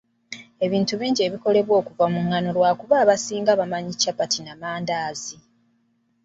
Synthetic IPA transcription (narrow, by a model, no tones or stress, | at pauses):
e̞βiːntuβiːɲɟieβiko̞le̞βwo̞ːkuvamuŋːano̞lwaːkuβaːβasiːŋɡaβamaɲicapatinamaːndaːzi